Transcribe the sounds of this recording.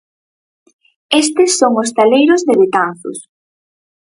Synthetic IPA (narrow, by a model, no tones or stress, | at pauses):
est̪ɪsːoŋost̪alejɾʊzðeβet̪an̟θʊ̰s